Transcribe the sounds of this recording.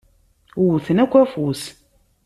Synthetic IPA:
wθənækʷːæfus

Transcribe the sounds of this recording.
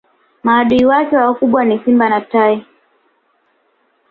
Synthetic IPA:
maːɗuiwakɛwakuɓwanisimbanatai

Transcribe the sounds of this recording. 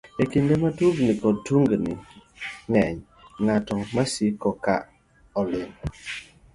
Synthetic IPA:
ekindɛmatuɡnikɔtuŋɡəniŋɛɲ | ŋatɔŋmasikɔkaʔ | ɔlim

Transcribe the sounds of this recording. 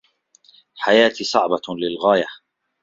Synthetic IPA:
ħajaːt̪isˤɑʕbɑlɪlɣaːja

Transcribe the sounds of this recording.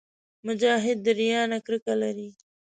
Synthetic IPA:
mʊd͡ʒaːɦɪd̪ːɐɾijaːnɐkɾɪkalɐɾiː

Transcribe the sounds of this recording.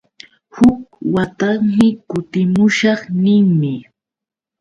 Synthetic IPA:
hʊk̚wat̪aŋmɪkʊt̪ɪmʊʃɑχnɪŋmɪ

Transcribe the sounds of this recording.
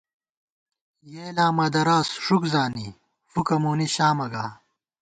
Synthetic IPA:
jeːlaːmɐd̪ɐɾaːsʂukzaːni | fukɐmuːniɕaːmɐɡaː

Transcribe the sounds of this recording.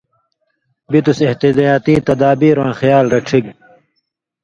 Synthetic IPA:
bit̪useht̪id̪ajaːt̪ĩːt̪ɐd̪aːbiːɾwãːxjaːlɾɐʈ͡ʂʰik̚

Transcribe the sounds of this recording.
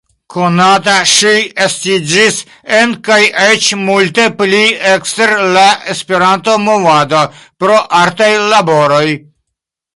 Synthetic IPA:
ko̞nat̬aʃiestid͡ʒis | enkajet͡ʃmulte̞plieksteɾlaʔe̞spe̞ɾanto̞mo̞vadopɾo̞ʔaɾtajlabo̞ɾo̞j

